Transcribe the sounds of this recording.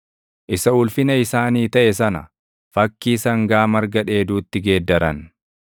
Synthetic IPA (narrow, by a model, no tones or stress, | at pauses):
ʔɪsɐʊlfɪnɐɪsaːniːt̪ɐʔɛsɐnɐ̰ | fɐkːiːsɐŋɡaːmɐɾɡɐᶑe̞ːd̪uːt̪ːɪɡe̞ːd̪ːɐɾɐn